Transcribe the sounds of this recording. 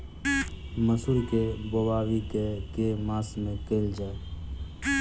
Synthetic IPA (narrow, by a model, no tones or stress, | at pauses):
məsuɾkebobaːwikekemãːsmẽkeːld͡ʒaːe